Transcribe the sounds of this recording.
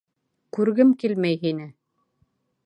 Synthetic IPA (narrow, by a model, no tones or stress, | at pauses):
kʉɾɡɘmkilmæjɦinɘ